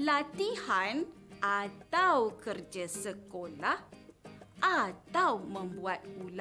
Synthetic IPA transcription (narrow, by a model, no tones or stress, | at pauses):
lat̪ihanʔat̪awkərd͡ʒasəkolah | ʔat̪awmə̃mbuat̪̚ula